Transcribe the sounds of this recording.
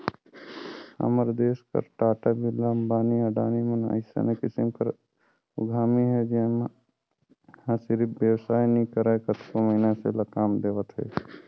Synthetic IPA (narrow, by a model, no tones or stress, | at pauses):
a̰məɾd̪eːskə̰ɾʈaːʈabʱilambaːniəɖaːnimənə̰ɪsa̰nekɪsɪmkəɾ | ʊ̰ɡʱaːmiɦɛd͡ʒem | hãsɪɾiʋjəwsaːjnĩkəɾekət̪koməɦinasḛlakaːmd̪eːʋət̪ɦɛ̰ː